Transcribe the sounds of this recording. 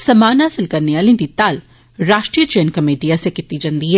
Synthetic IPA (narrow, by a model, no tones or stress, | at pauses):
sɐmaːnɦaːsɪlkɐɾneaːlĩnd̪it̪aːl | ɾaːʃʈɾijət͡ʃeːnkɐmeːʈiasekɪt̪id͡ʒɐ̃nd̪iɦɛ